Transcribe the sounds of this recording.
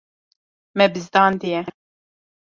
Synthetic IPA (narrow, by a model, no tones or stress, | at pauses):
mɛbɨzd̪ɑːnd̪ijɛ